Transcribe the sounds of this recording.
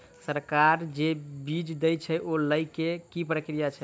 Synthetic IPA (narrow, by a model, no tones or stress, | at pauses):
səɾkaɾd͡ʒebid͡ʒd̪əjt͡ʃʰəʔoləjkekipɾəkɾijat͡ʃʰə